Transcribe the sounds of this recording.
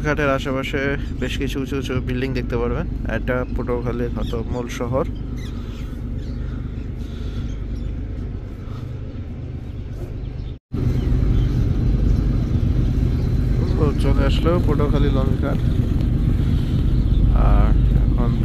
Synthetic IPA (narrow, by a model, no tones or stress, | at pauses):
kʰaʈeɾaʃapaʃebeʃkit͡ɕʰuut͡ɕʰut͡ɕʰobilɖiŋd̪ek̚ʰt̪epaɾbenɛ̰k̚ʈapoʈokʰaliɦat̪omulʃɔɦoɾ | kʰut͡ɕoleaʃlopoʈokʰalilɔmikʰaʈ | a̰ɾɛ̰kʰon